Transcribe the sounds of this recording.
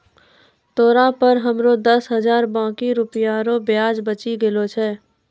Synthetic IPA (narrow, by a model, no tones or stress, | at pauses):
t̪oːɾapəɾɦəmɾod̪ɐsɦəzaːɾbãːkiɾʊpjaɾobjaːd͡ʒbət͡ʃiɡɪlot͡ʃʰɛː